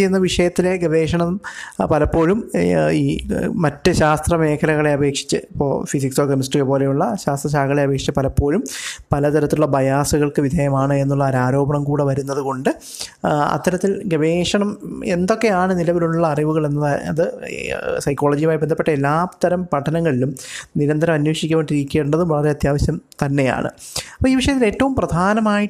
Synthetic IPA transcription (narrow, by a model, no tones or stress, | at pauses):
ejunːɐʋiʂɐjɐt̪ːile̞ɡeʋe̞ːʂɐɳɐmpɐlɐpːo̞ːlumiːmɐtːɨɕaːst̪rɐme̞ːkʰɐlɐɣɐɭe̞ɐbe̞ːkʂi̥t͡ɕːɨipːoːfisiksoːkɐmsʈːiɣɐpo̞ːle̞juɭːɐɕaːst̪rɐɕ̬aːɡɐɭeɐbe̞ːkʂi̥t͡ɕːɐpɐlɐpːo̞ːlumpɐlɐt̪ɐɾɐt̪ːiuɭːɐbɐjaːsuɣɐɭkɨʋid̪ʱejɐmaːɳɨe̞nːuɭːɐɾaːɾo̞ːbɐɳɐmkuːɽɨʋɐɾunːɐðɨko̞ɳɖɨ | ɐ̰t̪ːɐɾɐt̪ːilɡeʋeːʂɐɳɐmend̪o̞kːe̞jaːɳɨnilɐʋiluɭɭːɐːriʋuɣɐɭe̞nːɐðɐ̰ðɨ | sɐjkːo̞ːɭɐːd͡ʑijumaːjbe̞nd̪ɐpːeʈːɐelːaːt̪ːɐɾɐmpɐʈʰːɐnɐŋːɐɭilumniɾɐnd̪ɐɾɐmɐnweːʂikʲːɐmeʈiɾikʲːeuɳɖɐðumʋɐɭɐɾe̞ɐt̪jaːʋɐɕjɐmt̪ɐnːe̞ja̰ːɳɨ̰ɐpoːiːʋiʂɐjɐt̪ːile̞ːtːɐʋumprɐd̪ʱaːnɐmaːji